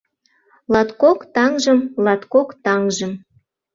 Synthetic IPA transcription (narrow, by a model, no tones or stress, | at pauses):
lɑt̪kokt̪ɑŋʒəmlɑt̪kokt̪ɑŋʒəm